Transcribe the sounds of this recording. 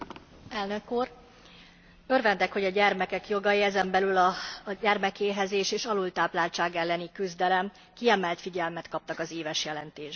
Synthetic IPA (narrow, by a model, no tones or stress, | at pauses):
ɛlnø̞kuːr | ø̞rvɛnt̪ɛkho̞ɟɒɟɛrmɛkɛkjo̞ɡɒjiɛzɛmbɛlylɒɟɛrmɛkeːɦɛzeːʃeːʃɒlult̪aːplaːlt͡ʃaːɡɛlːɛnikyzd̪ɛlɛm | kiɛmɛlt̪fiɟɛlmɛt̪kɒp̚t̪ɒkɒzeːvɛʃjɛlɛnt̪eːʒ